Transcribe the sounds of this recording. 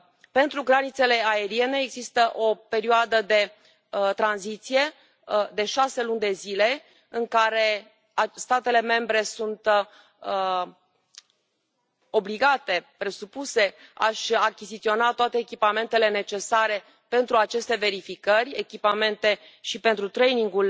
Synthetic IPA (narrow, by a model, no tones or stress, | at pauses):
pe̞nt̪ɾuɡɾanit̪se̞le̞ae̞ɾie̞ne̞ːɡzist̪əʔo̞pe̞ɾioad̪əd̪e̞ | t̪ɾanzit̪sije̞ | d̪e̞ʃase̞lunʲd̪e̞zile̞ | ɨŋkaɾe̞ | ast̪at̪e̞le̞me̞mbɾe̞sunt̪ | ə | o̞bliɡat̪e̞pɾe̞supuse̞a̰ʃʲakʲizit̪sio̞nat̪oat̪e̞ːkʲipame̞nt̪e̞le̞ne̞t͡ʃe̞saɾe̞ | pe̞nt̪ɾuat͡ʃe̞st̪e̞ve̞ɾifikərʲekʲipame̞nt̪e̞ | ʃipe̞nt̪ɾut̪ɾe̞jniŋɡul